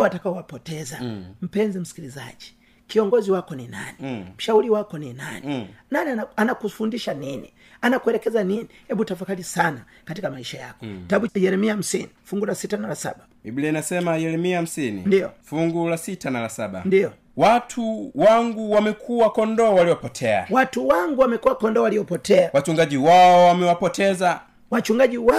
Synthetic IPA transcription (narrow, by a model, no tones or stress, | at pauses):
watakaɔwapɔtɛzam̩pɛnzim̩si̥kiliza̰d͡ʒi | kiɔŋɡɔziwakɔnina̰nim̩ʃauliwakɔnina̰ninaniaanakufundiʃaninḭ | anakuɛlɛkɛzaninihɛɓutafakalisana | katikamaiʃaja̰kɔ̥taɓujɛɾɛmiam̩sinifuŋɡulasitanalasa̰ɓa | iblɛnasɛmajɛɾɛmiahm̩sinḭndiɔfuŋɡulasitanalasaɓa̰ndijɔ | watʰuwaŋɡuwamɛkʰuwakɔndɔwaliwɔpɔtʰɛa̰watuwaŋɡuwamɛkuwakɔndɔwalijɔpɔtɛawat͡ʃuŋɡaʄiwaɔwamɛwapɔtʰɛza | wat͡ʃuŋɡaɟiwa